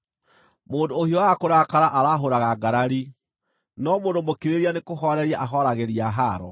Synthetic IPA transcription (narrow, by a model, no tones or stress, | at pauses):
moːndoːhiɔwakoɾakaɾaʔaɾaɦoɾaɣaɡaɾaɾi | nɔmoːndomokiɾeɾianekoɦɔɾɛɾiaʔaɦɔɾaɣeɾiaɦaɾɔ̰